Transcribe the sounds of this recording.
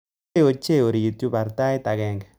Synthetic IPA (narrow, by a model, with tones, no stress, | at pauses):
o˨t͡ʃe˦o˨ɾi˨tu˦ba˨ɾta˦i˦ta˨ɣɛː˨ŋɡɛ˨